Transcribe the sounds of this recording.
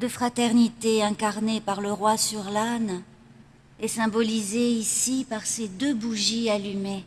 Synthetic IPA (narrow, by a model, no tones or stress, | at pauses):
d̪əfχat̪ɛʁnit̪eɛ̃kaʁnepaʁləʁwasyʁlan | ɛsɛ̃bɔlizeisipaʁsed̪øbuʒialyme